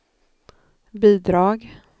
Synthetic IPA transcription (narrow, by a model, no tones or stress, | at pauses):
biːd̪ɾɑːɡ